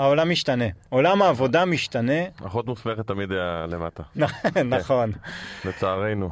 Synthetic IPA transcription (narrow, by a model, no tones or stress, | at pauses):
aolamiʃt̪ane̞olamaːvo̞d̪amiʃt̪ane̞aχot̪musmeχet̪ːamid̪ajalemat̪ananaχo̞nbet͡saːʁejnu